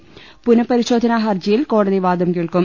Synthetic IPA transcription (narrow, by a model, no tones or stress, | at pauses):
pʊnɐpːɐɾɪsoːðɐnaːɦɐɐɾd͡ʒɪjɪlkoːɽɐðɐɪʋaːðɐmkeːɭkɯm